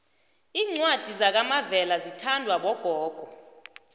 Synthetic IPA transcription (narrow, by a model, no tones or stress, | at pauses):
iːŋ͡ǀwad̥ʱizak̬amavɛlazitʰandʱwaɓɔɡ̥ʱɔːɡ̥ʱɔ